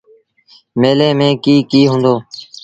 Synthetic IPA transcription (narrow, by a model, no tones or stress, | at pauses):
meːlẽːmẽːkiːkiːɦũːnd̪oː